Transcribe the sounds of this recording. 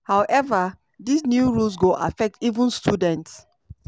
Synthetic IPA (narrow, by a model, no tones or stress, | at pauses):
hawʔɛva | disnjuɹuls̬ɡoʔa̰fɛk̚tivũnstudɛ̃nts